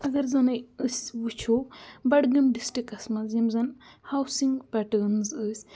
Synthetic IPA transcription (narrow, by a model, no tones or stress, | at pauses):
ɐɡɐɾzɐnɐjəsʲʋut͡ʃʰobɐɽɡɐmɖisʈɾikɐsmɐzɐmzɐnhawsiŋɡpɛʈɐːnzəːsʲ